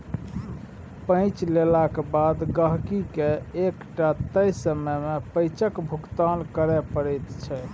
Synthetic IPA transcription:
pə̃t͡ʃlelakebad̪ɡəɦkikeekʈat̪əjsəməmepəjt͡ʃəkbʱukt̪ankəɾɛpəɽəjt̪t͡ʃʰɛ

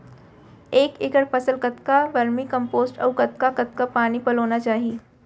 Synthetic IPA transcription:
eːkɪkəɾpɐsəlkɐt̪kaʋɐɾmĩkɐ̃mpoːzʈɔ̰ːkɐt̪̚kakɐt̪kapaːnipɐloːnat͡ʃaːɦieː

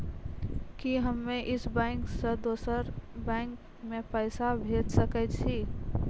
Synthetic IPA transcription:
kiɦəmːeʔɪsbɛŋksə̃d̪oːsəɾbɛ̃ŋk | mepəɪsabʱeːd̪səkɛt̪t͡ʃʰi

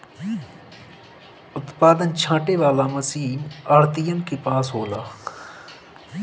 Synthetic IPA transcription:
ʊt̪paːd̪ənt͡ʃʰãːʈeʋaːlamɐsiːnaːɾt̪ijənkepaːsɦoːlaː

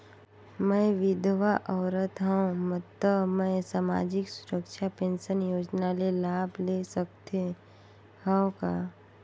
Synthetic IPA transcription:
mɛ̃ʋɪd̪ʱʋaʔɔːɾət̪ɦəõmət̪əmɛ̃saːma̰ːd͡ʒɪksʊɾəkʃapẽnʃənjoːd͡ʒnalelaːblesək̚t̪e | hə̃õka

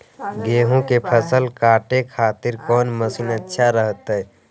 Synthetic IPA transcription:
ɡeːɦõkepʰəsəlkaːʈekʰaːt̪ɪɾkɔːnməsunətːʃʰaɾəɦt̪ə

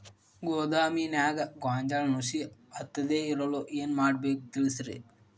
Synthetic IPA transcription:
ɡoːd̪aːminaːɡɐɡaːnd͡ʒalnusiɐt̪ːɐd̪eːiɾɐloʔeːnmaːɽbeːk̚t̪ilisɾḛ

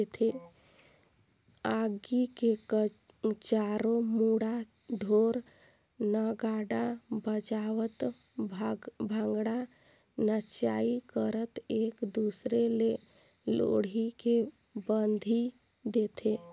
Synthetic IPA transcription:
et̪ʰe | aɡike | t͡ʃaːɾomuɽa | ɖʱoːɾ | nəɡaːɖabəd͡ʒaːʋət̪ | bʱə̃ŋɡɽa | nət͡ʃaːikəɾət̪eːkd̪uːsɾele | lo̰ɽike | bənd̪ʱi | d̪eːt̪ʰeː

